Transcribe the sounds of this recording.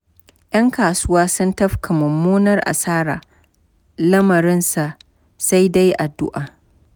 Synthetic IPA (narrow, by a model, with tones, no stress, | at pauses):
jʔɐ˦ŋkaː˨sʊ˦waː˦sʊ˦ntɐ˦ɸkʰa˨mʊ˨mːoː˦nɐ˦rʔa̰˨saː˦ɾa̰ː˨ | lɐ˦mɐ˨ɾɪ˦nsa˨ʔ | sa˦jda˦jʔa˨dːʊ̰˦ʔaː˨